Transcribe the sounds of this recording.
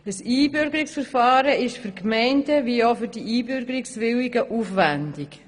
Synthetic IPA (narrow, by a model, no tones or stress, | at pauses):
d̥əsiːbʏɾɡəɾiksfəɾfɑːɾəɪʃfyɾkmɛɪndəʋiːofyɾdiiːbʏɾɡəɾɪksʋɪliɡəʔuːfʋændɪk